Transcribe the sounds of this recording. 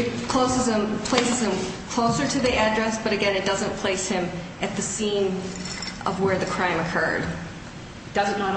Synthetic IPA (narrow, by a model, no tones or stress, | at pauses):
ɨt̚kʰl̥oʊsɨz̥ɨ̃mpʰl̥eɪsɨz̥ɨ̃mkʰl̥oʊsə˞ɾɨðiædɹɛsb̥ʌɾɨɡɛ̃nɨt̚d̥ʌzɨ̃npʰl̥eɪshɪ̃m | ɨt̪̚ðɨsĩn | ʔʌ̰vwə˞ðɨkʰɹ̥ãɪ̃mɨkʰɜ̰˞d̥ | d̥ʌzɨtnə